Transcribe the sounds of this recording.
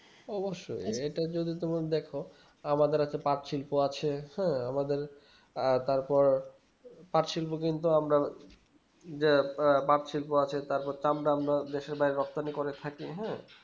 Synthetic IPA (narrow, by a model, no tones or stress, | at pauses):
ɔboʃːo̰jeʈad͡ʑod̪it̪omad̪ɛkʰo | amad̪eɾat͡ɕʰepaɾt͡ɕʰilpoat͡ɕʰehɛ̃amad̪eɾ | t̪aɾpɔɾ | paʈʃʰilpok̬int̪uamɾa | d͡ʑepaɾʃʰilpoat͡ɕʰet̪aɾpɔɾt͡ɕamɾaamɾad̪eʃeɾbajɾeɾɔk̚t̪anikoɾet̪ʰakiɦɛ̃